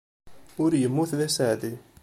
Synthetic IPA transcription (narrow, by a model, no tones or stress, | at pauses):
ʊɾjəmːuθlæsaʕd̪i